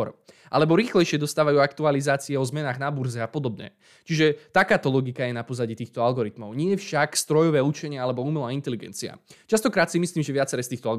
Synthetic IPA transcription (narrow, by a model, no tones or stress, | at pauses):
ɾ | ʔa̰lɛbɔɾiːxlɛjʃɪɛd̪ɔst̪aːʋajuːakt̪ualizaːt͡siɛɔzmɛnaːɣnabuɾzɛapɔd̪ɔbɲɛ̰ | t͡ʃiʒɛt̪akaːt̪ɔlɔɡikajɛnapɔzaɟiːt̪iːxt̪ɔalɡɔɾit̪mɔʊɲɪɛfʃakst̪ɾɔjɔʋɛːut͡ʃɛɲɪaalɛbɔumɛlaːint̪ɛliɡɛ̰nt͡sia̰t͡ʃast̪ɔkɾaːt̪simisliːmʒɛʋɪat͡sɛɾɛːst̪iːxt̪ɔalɡ